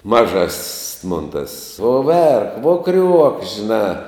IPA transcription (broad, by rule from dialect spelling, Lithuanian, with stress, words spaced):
mɐˈʒɐsʲsʲ moːn tɐs uɔ ˈʋʲɛrk ʋuɔ krʲuɔk ʒʲɪˈnɑː